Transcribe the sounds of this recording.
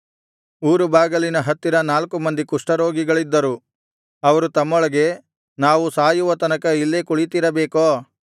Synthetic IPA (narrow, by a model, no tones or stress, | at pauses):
uːɾubaːɡɐlinɐɦɐt̪ːiɾɐnaːlkumɐnd̪ikuʂʈɐɾo̞ːɡiɡɐɭid̪ːɐɾu | ɐʋɐɾut̪ɐmːɔɭɐɡe̞ | naːʋusaːjuʋɐt̪ɐnɐkɐilːekuɭit̪iɾɐbeːkoː